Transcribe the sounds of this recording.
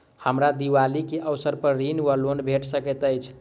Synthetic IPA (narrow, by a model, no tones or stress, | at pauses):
həmɾad̪iʋalikeʔəwsəɾpəɾɾinʋəlonbʱeʈsəkɛt̪əjt͡ʃʰ